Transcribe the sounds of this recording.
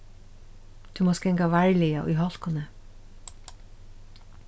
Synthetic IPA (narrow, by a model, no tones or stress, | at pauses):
t̪ʰʉmoːskɛŋkaʋæɹlɪaʔṵjɦɔl̥kʊnə